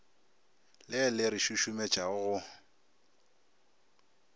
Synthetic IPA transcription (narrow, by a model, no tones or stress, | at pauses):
lɪlɪɾiʃuʃʊmet͡ʃʼaʊɣʊ